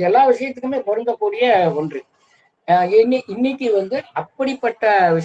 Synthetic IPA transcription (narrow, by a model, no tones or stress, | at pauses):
ɛlːaːʋɪʂɐjɐt̪ːɯkːɯmeːpɔɾɯnd̪ɐkːuːɽɪjɐɔndrɯ | ɪnːiʔɪnːɪkʲːɯʋɐnd̪ɯɐpːɐɽipːɐʈːɐʋɪ